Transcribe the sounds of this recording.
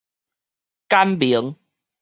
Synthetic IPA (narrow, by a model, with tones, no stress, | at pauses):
ka˦mbi˨˦ə˦ŋ